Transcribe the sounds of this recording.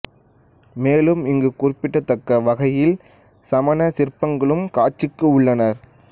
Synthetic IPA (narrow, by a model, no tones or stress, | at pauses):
meːlɯmɪŋɡɯkurɪpːɪʈːɐt̪ːɐkːɐʋɐɣɐjɪl | sɐmɐnɐsɪɾpːɐŋɡɐɭɯmkaːt͡ʃːɪkːɯʊɭːɐnɐɾ